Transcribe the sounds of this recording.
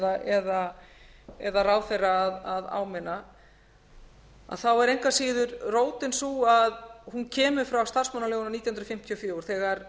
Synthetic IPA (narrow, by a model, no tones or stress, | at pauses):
ðaʔɛða | ɛðaraːwθejrːaːðaða̰ːwmɪnːa | a̰ðθawɛɾejŋ̥kvasiːðʏɾroːwt̪ɪnsuaðhuncʰɛːmʏ̥fɾawst̪ar̥smanaloːɣnaniːt̪jhnɾɔfɪm̥t̪ʰiɔfjɔːɾ̥θɛːɣaɾ